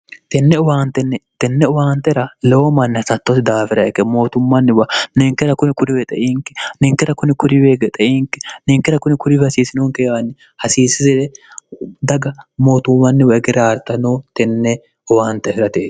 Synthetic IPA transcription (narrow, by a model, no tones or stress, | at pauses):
t̪ɛnːɛʊwaːnt̪ɛnːɛt̪ɛnːɛʊwaːnt̪ɛɾɐlɛwomɐnːɪhɐsɐt̪ːɔsɪd̪aːfɪɾɐɛkːɛmo̞ːt̪ʊmːɐnːɪwɐnɛŋkɛɾɐkʊnɪkʊɾɪwɛt̪ʼɛʔiːŋkɛ̥nɛŋkɛɾɐkʊnɪkʊɾɪweɡɛt̪ʼɛʔiːŋkɛ̥nɛŋkɛɾɐkʊnɪkʊɾɪwhɐsiːsɪnoːŋkeːwanːɪ | hɐsiːsɪzɪlɛ | d̪ɐɡɐmo̞ːt̪ʊmːɐnːɪwɐɛɡɪɾaɾt̪ːɐnoːt̪ɛnːɛ | ʊwaːnt̪ːɛfɪɾɐt̪eː